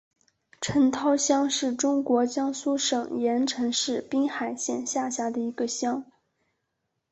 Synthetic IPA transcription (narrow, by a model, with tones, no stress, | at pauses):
ʈ͡ʂʰə˧˥nt̪ʰɑ˥ʊɕjɑ˥ŋʂɻ̩˥˩ʈ͡ʂʊ˥ŋkwɔ˧˥t͡ɕjɑ˥ŋsu˥ʂɤ˨˩ŋjɛ˧˥nʈ͡ʂʰɤ˧˥ŋʂɻ̩˥˩pi˥ŋxa˨˩ɪɕjɛ̰˥˧nɕja˥˩ɕja˥d̪ə˨i˧˥ɡə˧ɕjɑ˥ŋ